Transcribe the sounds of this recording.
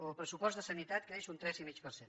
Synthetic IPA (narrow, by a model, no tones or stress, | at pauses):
oəlˠpɾəsupɔsd̪əsənit̪at̪keʃunt̪ɾɛzimit͡ʃpəɾsen